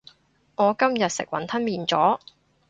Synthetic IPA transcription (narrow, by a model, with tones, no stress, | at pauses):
ŋɔː˨˧kɐ˥mjɐ˨t̚sɪ̰˨k̚wɐ̰˨˥nt̪ʰɐ˥nmiː˨˩nt͡sɔː˨˥